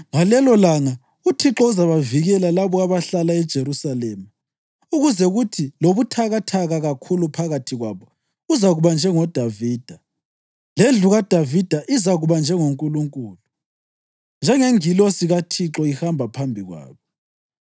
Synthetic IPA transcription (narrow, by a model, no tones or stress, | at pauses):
ŋalɛlɔlaŋa | utʰiǁɔuzaβaviɣɛlalaβɔaβaɬalaɛd̥ʒ̥ʱeɾusalɛːma | uɣuzɛɣutʰiloβutʰaɣatʰaɣaɣakʰulupʰaɣatʰiɣwa̰βɔ | uzaɣuβand͡ʒʱɛŋɔd̥ʱaviːd̥ʱa | lend͡ɮʱuɣad̥ʱavid̥ʱaʔizaɣuβand͡ʒʱɛŋoŋkʼuluŋkʼuːlu | nd͡ʒʱɛŋeŋilosiɣatʰiǁɔihambʱapʰambʱiɣwa̰ːβɔ